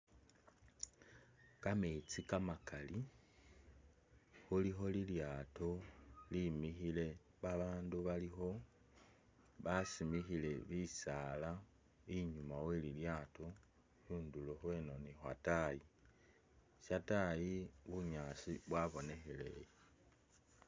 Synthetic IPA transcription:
kamet͡sikamakʰali | xulixo̞liljaːto̞limixile̞ | βaβaːnduβalixo̞ | βasimixile̞βisala | iɲumaweliljato | huːnduloxwe̞no̞nixwa̰taji | ʃatajiβuɲaːsiβwaβo̞ne̞xe̞lḛje

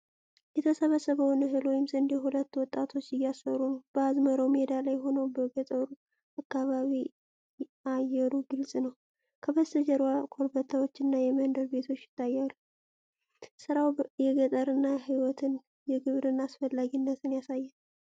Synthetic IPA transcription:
jɛt̪ʰəsəβəsːəβəwnɨɦɨlwɔjɪmzɨnd̪eɦulət̪ːwɔt̪ʼːat̪ʰo̞t͡ʃːɪjːasfəɾumwb̥əazməɾəwmed̪alajɦo̞nəwbəɡət̪ʼəɾu | akːaβaβi | ajɛɾuɡɨlsʼnəw | kʰəbəsɨd͡ʒəɾwakʰo̞ɾbət̪ʰːawo̞t͡ʃːɨnːajɛmənd̪əɾbe̞t̪ʰo̞t͡ʃːjɪ̥t̪ːajːalːu | sɨɾawjɛɡət̪ʼəɾɨnːaɦiwɔt̪ʰɨn | jɛɡɨβɾɨnːasfəlːaɡinːət̪ʰɨnjasajːɛn

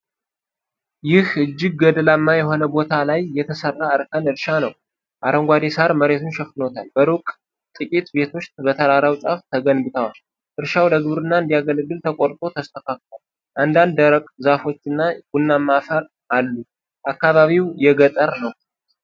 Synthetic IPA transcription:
jɪhʔɨd͡ʒːɪɡ̚ːəd̪əlamːajɛɦo̞nəbo̞t̪ʰalajːɛt̪ʰəsərːaəɾkʰənɨɾʃanəw | ʔaɾəŋɡʷad̪esaɾməɾe̞t̪ʰunʃɛfno̞t̪ʰalbəɾokʼ | t̪ʼɨkʼit̪be̞t̪ʰo̞t͡ʃt̪bət̪ʰəɾaɾawt͡ʃʼaft̪ʰəɡənbɨt̪ʰəwa | ʔɨɾʃawdəɡɨbɨɾɨnːaɨnd̪ijaɡəlɡɨlt̪ʰəkʼo̞ɾt̪ʼo̞t̪ʰəst̪ʰəkʰak̚t̪al | ʔand̪and̪əɾəkʼzafo̞t͡ʃːɨnːaɡunːamːafəɾ | ʔalːu | ʔakːaβaβiwjɛɡət̪ʼəɾnəw

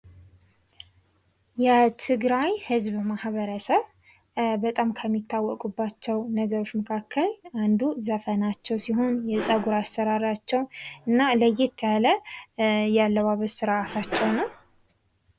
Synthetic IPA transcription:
jɛt̪ʰɨɡɾajhɨzbmahβəɾəsəβ | bət̪ʼamkʰəmːit̪ʰːawːɔkʼubːat͡ʃːɛwnəɡəɾo̞t͡ʃːməkʰakʰːəland̪uzəfənat͡ʃːɛwsiɦo̞njɛsʼəɡuɾast̪əɾaɾat͡ʃːɛwɨnːaləjɛt̪ʰːjalə | jalːəwaβəzsɨɾʔat̪ʰat͡ʃːɛwnəw

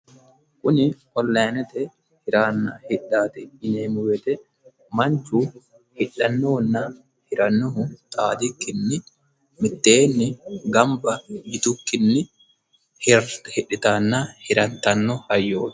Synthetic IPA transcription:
kʊnɪ | ɔlːɐnɛt̪ɛ | hɪɾaːnːɐhɪᶑːaːt̪ɛɪneːmɪwɛt̪ɛ | mɐnt͡ʃːu | hɪᶑːɐnːonːa | hɪɾɐnːɔhʊt̪ʼaːd̪ɪkːɪnːɪ | mɪt̪ːeːnːɪɡɐmbɐɡɪt̪ʊkːɪnːɪ | hɪᶑɪt̪aːnːahɪɾɐt̪ːɐnːɔhɐjːo̥ː

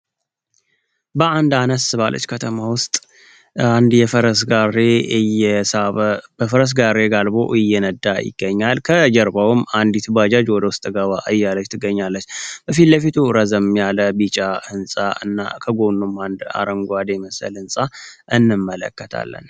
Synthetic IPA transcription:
bəʔand̪anəsɨβalːə̰t͡ʃːkʰət̪ʰəmawʊst̪ʼ | and̪jɛfəɾəsareɨjɛsab̥əfəɾəs̬ɡaɾeɡalbo̞̰ʔɪjːɛnəd̪ajɪ̰ɡ̥ːəɲːalkʰəd͡ʒəɾbawɨmand̪it̪ʰubad͡ʒad͡ʒwɔd̪əwʊst̪ʼɡəβaɨjːalət͡ʃːt̪ʰɨɡəɲːalːət͡ʃːb̥əfit̪ləfit̪ʰuɾəzəmjaləbit͡ʃʼaɨnsʼa̰ɨ̰nːa̰kʰəɡonːumːand̪a̰ɾəŋɡʷad̪eməsə̰lɨnsʼa | ʔɨnːɨmːələ̰kːət̪ʰa̰lːə̰n

